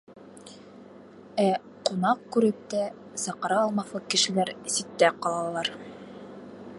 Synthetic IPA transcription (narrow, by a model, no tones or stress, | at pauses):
æ | qunɑq̚kʉɾɘp̚t̪æ | sɑqɑɾɑːlˠmɑθlˠɤkɘ̆ʃɘ̆læɾsit̪ːæqɑlˠɑlˠɑɾ